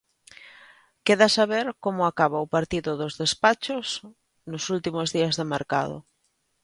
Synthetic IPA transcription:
keðasaβeɾkomʊakaβaʊpaɾt̪iðʊðʊzðespat͡ʃos | nʊsult̪imozðiazðemeɾka̰ð̞ʊ̰

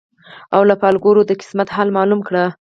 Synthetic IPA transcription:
awlapɑlɡoɾod̪əkɪ̥smat̪hɑlmɑlumkɽa

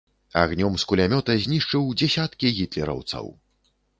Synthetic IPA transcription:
a̰ɣnʲɔmskulʲamʲɔt̪ɐzʲnʲiʂt͡ʂɨwd͡zʲɛsʲat̪kʲiɣʲit̪lʲɛɾɐ̰wt̪sɐ̰w

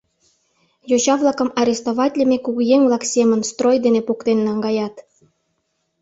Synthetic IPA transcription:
jot͡ɕɑβlˠɑkə̆mɑɾʲest̪oβɑtʲlʲə̆mekuɣujeŋvlɑksemənst̪rojd̪enepokt̪enːɑŋɡɑjɑt̪

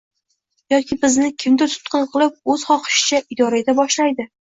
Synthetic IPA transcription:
jɒkʲɪbɪznɪkʲʰɪmd̪ɪt̪ʰʊ̥t̪qʰɨnqʰɨlˠɪp̚ɵz̥χɒqɨ̥ʃɪ̥t͡ʃʰaʔɪd̪ɒɾajd̪abɒʃlajd̪ɪ

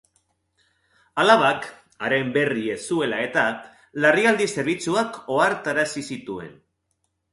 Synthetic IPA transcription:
alaβ̞ak | aɾe̞mbe̞rie̞sue̞lae̞t̪a | lariald̪ise̞ɾβ̞it͡suako̞aɾt̪aɾasisit̪ue̞̰n

